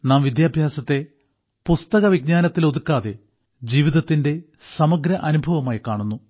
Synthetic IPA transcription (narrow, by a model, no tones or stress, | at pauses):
naːmʋid̪jaːbʱjaːsɐt̪ːe̞ | pust̪ɐɣɐʋiɡ̚ɲaːnɐt̪ːilo̞ðukːaːðe̞ | d͡ʑiːʋiðɐt̪ːinde̞ | sɐmɐɡɾɐʔɐnubʱɐʋɐmaːjikaːɳunːu